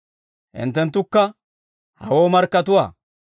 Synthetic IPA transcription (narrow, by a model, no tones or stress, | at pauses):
ʔɪ̰nt̪ːɛnt̪ːʊkːɐ | hɐ̰woːmɐɾkːɐt̪ʊwaː